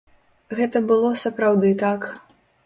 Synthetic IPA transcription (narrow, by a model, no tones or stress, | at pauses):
ɣɛt̪ɐbɨlˠɔsɐpɾawd̪ɨt̪ak